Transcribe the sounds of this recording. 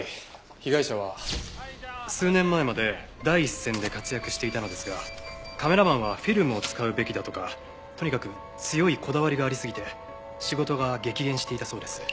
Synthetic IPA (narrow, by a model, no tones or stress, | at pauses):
çiɡaiɕaβa | sɨːnẽ̞mːae̞mad̪e̞ | d̪aiːsːẽ̞nd̪e̞kat͡sɨjakɯ̟ɕi̥t̪e̞it̪ano̞d̪e̞sɨɡakame̞ɾamãɰ̃β̞aɸʲiɾɯ̟mɯ̟o̞t͡sɨ̥kaɯ̟be̞kʲid̪at̪o̞ka | t̪o̞ɲ̟ikakɯ̟ | t͡sɨjo̞ikʰo̞d̪aβaɾʲiɡaːɾʲisɨɡʲit̪e̞ | ɕiɡo̞t̪o̞ɡaɡe̞kʲiɡẽ̞ɰ̃ɕi̥t̪e̞it̪aso̞ːd̪e̞sɨ̥